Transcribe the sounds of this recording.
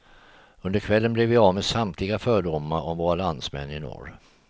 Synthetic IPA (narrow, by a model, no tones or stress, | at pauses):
ɵnd̪əɾkʰvɛlːənblɛvɪɑːvmeːsamt̪ʰlɪɡafœːɖʊmːaɾʔɔmvoːɾaland̪smɛ̰nːɪnɔ̰ɾ